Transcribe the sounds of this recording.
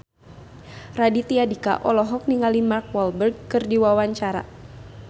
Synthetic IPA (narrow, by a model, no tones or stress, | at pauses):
radit̪iadika̰ʔɔlɔɦɔk̚niŋalimark̚wɔlbərɡ̚kɨrdiwawaɲt͡ʃaɾa̰